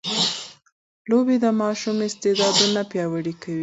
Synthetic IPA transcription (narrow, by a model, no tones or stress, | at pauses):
lobed̪əmɑʃumɪst̪ed̪ɑd̪unapjɑwaɽikawi